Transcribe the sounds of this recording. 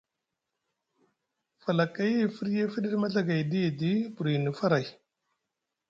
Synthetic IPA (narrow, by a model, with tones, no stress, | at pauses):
fa˨la˨ka˦je˦˨fi˦ɾje˦fi˦di˦ɾma˦ɮa˦ɡa˨jdi˦˨di˦bu˨ɾi˨ni˨fa˦ɾa˨j